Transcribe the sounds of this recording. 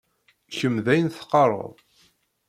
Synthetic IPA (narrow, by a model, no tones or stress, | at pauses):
çəmðæjənθqːɑrˤə̰ðˤ